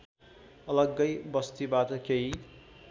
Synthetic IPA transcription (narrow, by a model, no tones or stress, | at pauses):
ʌlʌɡːʌjbʌst̪ibat̪ʌkei